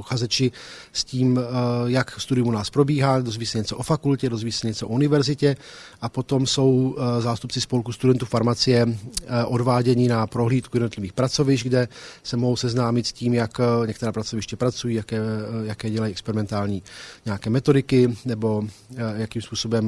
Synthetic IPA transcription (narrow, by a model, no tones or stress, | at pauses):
puxazɛt͡ʃɪ | sciːmjakst̪udɪjumunaːspɾo̞biːɦadozviːsɛɲɛt͡soʔofakulcɛdozviːsɛɲɛt͡soʔounɪvɛɾzɪcɛ | ʔapo̞t̪o̞mso̞wzaːst̪up̚t͡sɪspo̞lkust̪udɛnt̪uːfaɾmat͡sɪjɛʔodvaːɟɛɲɪnapɾoɦliːt̪kujɛdnot̪lɪviːxpɾat͡so̞vɪʃɡdɛsɛmoɦowsɛznaːmɪt̪sciːmjakɲɛkt̪ɛɾaːpɾat͡sovɪʃcɛpɾat͡sujiːjakɛːjakɛːɟɛlajiʔɛkspɛɾɪmɛnt̪aːlɲiːɲɛakɛːmɛt̪o̞dɪkɪnɛbo̞jakiːmspuːsobɛm